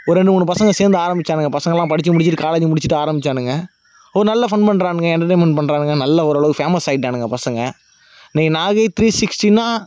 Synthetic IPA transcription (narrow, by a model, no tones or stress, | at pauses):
ɔɾɾɛɳɖɯmuːɳnːɯpɐsɐŋɡɐseːɾnd̪ɯaːɾɐmbɪt͡ʃːaːɽɯŋɡɐpɐsɐŋɡɐlːãːpɐɽɪt͡ʃːɯmʊɽɪt͡ʃːɯʈːɯkaːlɐd͡ʒɯmʊɽɪt͡ʃːɯʈːɯaːɾɐmbɪt͡ʃːaːɳɯŋɡɐ | ɔɾɯnɐlːɐfɐɳpɐɳɾaːɳɯŋɡɐɛɳʈɐʈ̬eːnmɛɳʈ̚pɐɳɾaːɳɯŋɡɐnɐlːɐɔɾɐɭɐɣɯfeːmɐsɐɪʈːaːɳɯŋɡɐpɐsɐŋɡɐ | niːnaːɣɐɪt̪ɾiːsɪksʈinaː